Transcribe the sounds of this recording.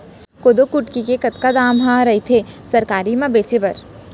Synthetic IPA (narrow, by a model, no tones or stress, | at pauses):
koːd̪okʊʈkikekɐt̪kad̪aːmɦãɾɐit̪ʰesɐɾkaːɾimãbeːt͡ʃebɐɾ